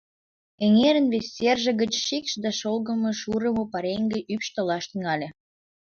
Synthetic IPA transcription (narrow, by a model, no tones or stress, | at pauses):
eŋeɾənβesʲːerʒə̆ɣə̆t͡ɕʃikʃd̪ɑʃolɣə̆mə̆ʃuɾəmopɑɾeŋɡĕʔypʃt̪əlɑʃt̪yŋɑlʲĕ